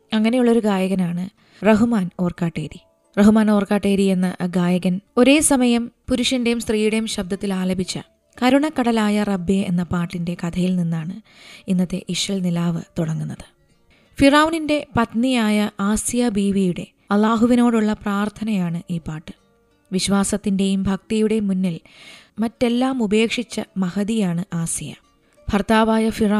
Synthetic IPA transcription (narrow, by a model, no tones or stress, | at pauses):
ɐŋːɐne̞juɭːo̞ɾuɡaːjɐɣɐnaːɳɨ | rɐɦumaːno̞ːrkaːʈːeːɾi | rɐɦumaːno̞ːrkaːʈːeːɾie̞nːɐɡaːjɐɣɐno̞ɾe̞ːsɐmɐjɐmpuɾuʂɐnde̞jumst̪riːjuɽe̞jumɕɐb̚d̪ɐt̪ːilaːlɐbʱit͡ɕːɐ̰ | kɐɾuɳɐkːɐɽɐlaːjɐrɐbːeenːɐpaːʈːinde̞kɐt̪ʰɐjilninːaːɳɨinːɐt̪ːe̞̰ʔiʂrɐlnilaːʋɨt̪uɽɐŋːunːɐðɨ̥ | firaːwninde̞pɐt̪nijaːjɐʔaːsjɐbiːʋijuɽe̞̰ | ɐlˠːaːɦuʋino̞ːɽuɭːɐpraːrt̪ʰɐnɐjaːɳɨʔiːpaːʈːɨ̥ | ʋiɕʋaːsɐt̪ːinde̞jumbʱɐk̚t̪ɐjuɽe̞munːilmɐtːe̞lːaːmube̞ːkʂit͡ɕːɐmɐhɐðijaːɳɨʔaːsijɐ̰ | bʱɐrt̪aːʋaːjɐfira